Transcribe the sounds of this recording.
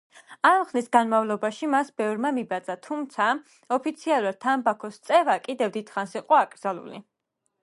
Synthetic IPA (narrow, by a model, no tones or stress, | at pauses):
amχlisɡanmavlˠɔbaʃimasbɛvɾmamibat̪sʼat̪ʰumt̪sʰa | ɔpʰit̪sʰialˠuɾad̪̥̚t̪ʰːambakʰɔst̪sʼɛvakʼid̪ɛvd̪it̪ʰχansiqʼɔakʼɾd̪zalˠṵlḭ